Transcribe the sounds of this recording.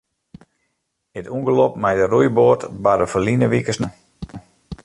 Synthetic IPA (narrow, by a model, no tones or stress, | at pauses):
ətuŋɡəlɔpmajdərujboːrtbadəfəlinəʋikəsnə